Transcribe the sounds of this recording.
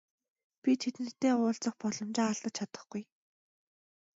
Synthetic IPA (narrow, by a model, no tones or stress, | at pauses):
pʲit̪ʰet̪ɘn̆t̪ːeːʊːɬt͡sə̆χpɔɮɞ̆mt͡ɕaːaɮt̪ə̆t͡ɕt͡ɕʰat̪ə̥̆χɡ̥uj